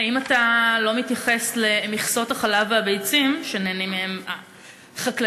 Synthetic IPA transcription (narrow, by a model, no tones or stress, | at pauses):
aimatalo̞mitjaχe̞sle̞miχsotaχalavabejt͡simʃeneːnimeema | χakl